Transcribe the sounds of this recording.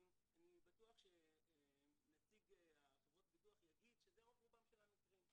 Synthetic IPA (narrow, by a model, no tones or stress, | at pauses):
anibatuaχʃe | nat͡siɡaχevʁo̞t̪̚bituaχjaɡid̪ʃezeovʁubamʃelamitʁim